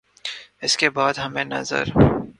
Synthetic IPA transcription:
ɪskebɑːd̪ɦɐmeːnɐ̰zɐ̰ɾ

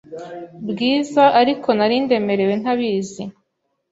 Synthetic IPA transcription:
bɡiːzaʔaɾikʰo̞naɾinde̞me̞ɾe̞we̞n̥haβiːzi

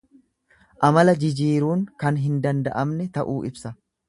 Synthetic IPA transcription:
ʔɐmɐlɐd͡ʒɪd͡ʒiːɾuːŋkɐnɦɪnd̪ɐnd̪ɐʔɐmnɛt̪ɐʔuːʔɪbsɐ

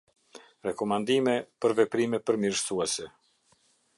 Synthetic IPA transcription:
ɾɛkɔmand̪imɛpəɾvɛpɾimɛpəɾmiɾsuɛsɛ

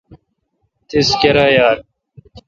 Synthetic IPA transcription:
t̪ʰiskɐɾaːjaːɾ

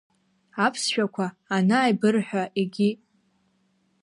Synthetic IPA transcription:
apʰsʃᶣakʷʰaːnaːjbɨrħʷᶣaʔeɡʲi

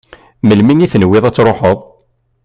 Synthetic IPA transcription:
məlmiŋiθnwːɪðˤæt͡sːɾˤoħəðˤ

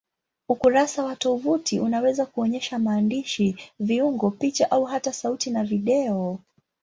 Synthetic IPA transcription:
ukuɾasawatɔvutiʔunawɛzakuɔɲɛʃamaːndiʃiviuŋɡɔpit͡ʃaʔauɦatasautinaviɗɛɔ

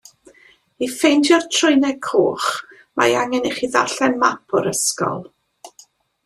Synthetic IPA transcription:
ifejntʰjɔrtʰrʊɨnɛkʰoːχ | ma̰jaŋɛneχiða̰ɬɛnmapʰɔɾəskɔ̰lˠ

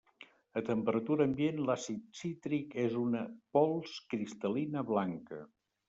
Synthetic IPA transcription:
ət̪əmpəɾət̪uɾəːmbienlasisit̪ɾikezunəpɔlˠskɾist̪əlinəβlaŋkə̰

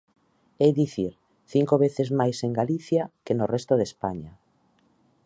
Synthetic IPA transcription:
ejðiθiɾ | θiŋkoβ̞eθezmajseŋɡaliθjakenorɛst̪oðespaɲa

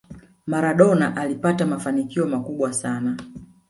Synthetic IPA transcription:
maɾaɗɔnaʔalipatamafanikiɔmakuɓwasana

